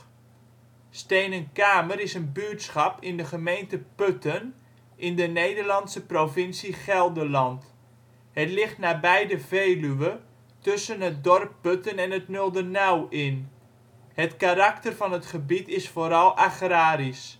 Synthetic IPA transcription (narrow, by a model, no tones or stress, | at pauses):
stejnənkaːməɾɪsənbytsχɑpɪndəχəmejntəpøtən | ʔɪndənejdərlɑnsəprovɪnsiχɛlˠdəlɑnt | hətlɪχtnaːbɛjdəveːlyʋə | tɵsənɦət̚dɔrpːøtənɛnɦətnølˠdənawɪn | hətkarak̚tərvɑnɦətχəbitɪsfoːɾɑlˠʔaχraːɾis